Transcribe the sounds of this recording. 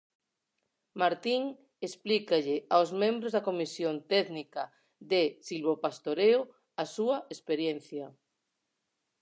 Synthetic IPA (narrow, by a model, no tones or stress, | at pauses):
maɾt̪iŋ | esplikaʎɪawzmẽmbɾozðakomisjont̪ɛðnika | ðesilβopast̪oɾeo | asuɐespeɾjen̟θja